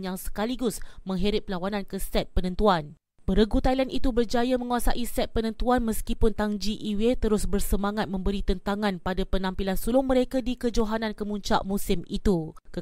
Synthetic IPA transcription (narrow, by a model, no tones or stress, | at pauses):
njaŋsə̥kaliɡʊsmə̃ŋɦeɾɪp̚lawanãnkəsɛt̪̚pənə̃nt̪uan | pəɾəɡut̪ailanʔit̪ubərd͡ʒajamə̃ŋuasaʔisɛt̪̚pənə̃nt̪uanməskipʊnt̪aŋd͡ʒiʔiwet̪əɾʊsbərsəmaŋat̪̚mə̃mbəɾit̪ənt̪aŋãnpadapənãmpilansulʊŋmə̃ɾekadikəd͡ʒoɦanãnkəmũɲt͡ʃa̰ʔmũsɪmit̪ukə